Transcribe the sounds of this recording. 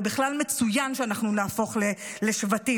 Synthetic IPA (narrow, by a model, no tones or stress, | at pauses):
biχlalme̞t͡sujanʃeanaχnunaːfo̞χleleʃvati